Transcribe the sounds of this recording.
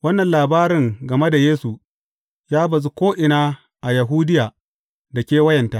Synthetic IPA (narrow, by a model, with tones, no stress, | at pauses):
wɐ˦nːɐ˨nlaː˨baː˦ɾɪ˨ŋɡɐ˨me˦da˨jeː˦su˨ | jaː˦bɐ˨zu˦kʷoː˦ʔɪ˨naː˦ | ʔa˨jɐ˨ɦuː˦dɪ˦jaː˨ | da˨kʲeː˦wɐ˦jɐ˨nta˦ʔ